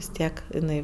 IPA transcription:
ʋʲɪs ˈtʲiɛk ɪˈnɐɪ

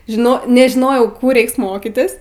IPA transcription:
ʒʲɪˈnoː nʲɛʒʲɪˈnoːjɛʊ ˈkuː ˈrʲɛɪks ˈmoːkʲɪtʲɪs

